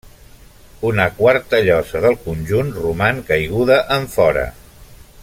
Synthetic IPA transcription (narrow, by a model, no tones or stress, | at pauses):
unəkwaɾt̪əʎɔzəðəlˠkunʲʒunrumaŋkəjɣ̞uðəʔəɱfɔɾə̰